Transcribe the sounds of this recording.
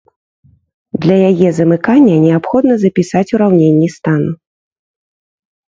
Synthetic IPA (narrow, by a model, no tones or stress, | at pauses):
d̪lʲɐjajɛzɐmɨkanʲːɐnʲɛapxɔd̪nɐzɐpʲisat͡sʲuɾawnʲenʲːist̪anu